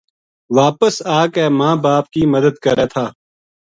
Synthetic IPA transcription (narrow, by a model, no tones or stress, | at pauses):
ʋaːpəsaːkɛːmãːbaːp̚kiməd̪əd̪kəɾɛːt̪ʰaː